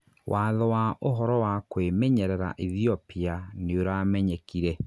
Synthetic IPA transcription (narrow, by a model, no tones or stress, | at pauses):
wʔaːðɔwaʔoɦɔɾɔwakwemɛɲɛɾɛɾa̰ʔiðiɔpianeoɾamɛɲɛkiɾɛ